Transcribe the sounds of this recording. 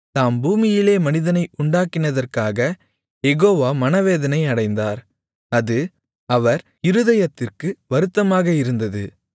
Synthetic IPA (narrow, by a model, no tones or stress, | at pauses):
t̪aːmbuːmɪjɪleːmɐnɪðɐnɐɪʔʊɳɖaːkːɪnɐðɐrkaːɣɐ | jɛɣoːʋaːmɐnɐʋeːðɐnɐɪɐɽɐɪnd̪aːɾ | ɐðɯ | ɐʋɐɾ | ɪɾɯðɐjɐt̪ːɪrkɯʋɐɾɯt̪ːɐmaːɣɐɪɾɯnd̪ɐðɯ